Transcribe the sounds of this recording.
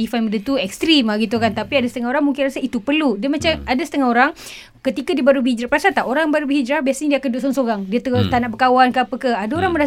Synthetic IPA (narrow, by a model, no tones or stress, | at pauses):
ifamədət̪uɛkst̪ɾimaɡit̪̬ukant̪apiadasə̥t̪əŋaɦoɾaŋmuŋkɪnrasait̪upərludamat͡ʃamadasət̪əŋaɦoɾaŋ | kət̪ikadibaɾubəhid͡ʒɾapəɾasat̪aʔoɾaŋbaɾubəɦid͡ʒɾabiasaɲadiakanduaʔsɔŋsoɾaŋdiat̪ət̪anaʔbəkawankəapəkəadaoɾaŋmə̃ɾa